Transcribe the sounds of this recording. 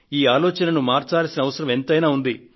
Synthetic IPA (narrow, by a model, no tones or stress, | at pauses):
iːaːlɔːt͡ʃɐnɐnumaːɾt͡ʃaːlɐsinɐʋɐsɐɾɐme̞nt̪ɐjnaːund̪i